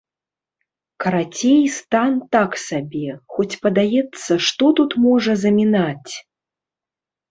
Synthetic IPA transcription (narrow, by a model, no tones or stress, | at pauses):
kɐɾat͡sʲejst̪ant̪aksabʲɛxɔt͡sʲpɐd̪ajɛt̪sːɐʂt̪ɔt̪ut̪mɔʐɐzɐmʲinat͡sʲ